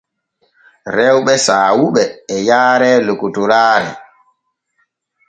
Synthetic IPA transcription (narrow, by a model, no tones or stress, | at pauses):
ɾɛwɓɛsaːwuɓɛːjaːɾɛːlokutuɾaːɾɛ̰